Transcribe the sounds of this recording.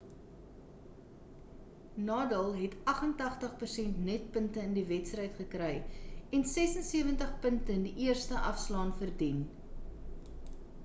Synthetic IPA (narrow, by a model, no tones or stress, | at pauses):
nɑːdəlˠɦɛtɐχəntɐχtəχpərsɛntnɛt̚pəntəəndivɛtstrəjtχəkrɛjɛnsɛsənsiəvəntəχpəntəndiʔiərstəʔɐfslɑːnfərdin